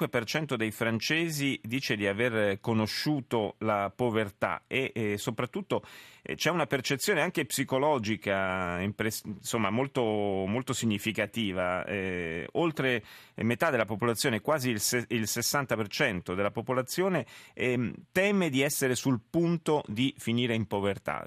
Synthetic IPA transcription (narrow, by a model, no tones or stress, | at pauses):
wepert͡ʃɛnt̪od̪ejfɾant͡ʃeːzid̪iːt͡ʃed̪iaverkonoʃːuːt̪olapovert̪a̰esopɾat̪ːut̪ːot͡ʃɛunapert͡ʃet̪sjoːneaŋkepsikolɔːd͡ʒikaimpɾesnsomːamolt̪omolt̪osiɲːifikat̪iːvaɛ̰olt̪ɾemet̪ad̪ːelːapopolat̪sːjoːnekwaːzilseilsesːant̪apert͡ʃɛnt̪od̪elapopolat̪sːjoːne | t̪ɛːmed̪iɛsːeɾesulpunt̪od̪ifiniːɾeimpovert̪a̰